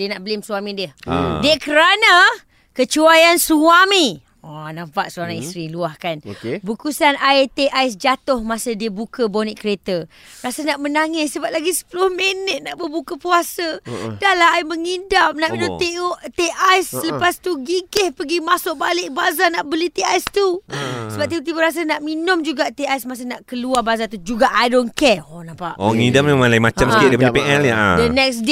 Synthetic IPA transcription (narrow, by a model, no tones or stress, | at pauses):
diənaʔbəlɪmsuamĩdiəhdiəkəɾana | kət͡ʃuajansuami | ɔnafaʔ̪suaɾaŋist̪ɾiluahkan̰bukusanaet̪eʔajs̬d͡ʒat̪ʊhmasədiəbukəboniʔkəɾet̪ə | ɾasənaʔmənaŋɪssəbap̚laɡisə̥pəlʊhmenət̪̚naʔbəbukəpuasədalaɦaiməŋidamnaʔminʊ̃meoʔt̪eʔajsələpast̪uɡiɡɪhpəɡimasʊʔ̚balɪʔ̚bazanaʔbəlit̪iajst̪usəbap̚t̪ibət̪̬ibəɾas̬ənaʔminʊmd͡ʒuɡaʔt̪eajsmas̬ənaʔkəluarbazat̪ud͡ʒuɡaʔajdonkɛɔnapaʔʔɔ̰ŋidaməmalaimat͡ʃamsəkɪt̪̚dapaɲapeʔɛlja̰a̰dənɛksde